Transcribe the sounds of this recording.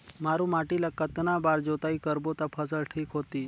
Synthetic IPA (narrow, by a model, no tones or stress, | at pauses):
maɾũmaʈilakət̪nabaɾd͡ʑot̪aiːkəɾbot̪apʰəsəɭʈʰiːkɦot̪iː